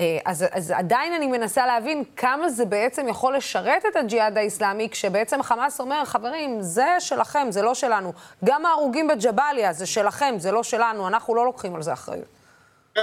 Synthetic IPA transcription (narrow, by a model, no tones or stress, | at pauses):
eazaza̰dainanime̞nasaleɦavinkʰamazebe̞et͡se̞mjaχo̞lːe̞ʃaʁe̞t̪e̞t̪ad͡ʒiadaislamikʃebeet͡se̞mχamaso̞meʁχave̞ʁimzeʃe̞laχe̞mzelo̞ʃe̞lanuɡamaːʁuɡimbed͡ʒabaljazeʃe̞laχe̞mzelo̞ʃe̞lanuanaχnulo̞lo̞kχimalzea̰χʁḛjṵt